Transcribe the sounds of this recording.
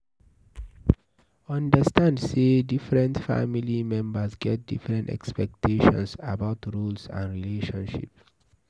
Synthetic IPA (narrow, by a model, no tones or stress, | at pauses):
ʌ̃ndəstãndsedifɾə̃ntfa̰milimɛ̃mbəsɡɛt̚difɾɛ̃ntɛ̰kspɛk̚tʰeʃɔ̰̃nsabaʊtɾuːlsã̰nɹileʃɔ̃nʃḭp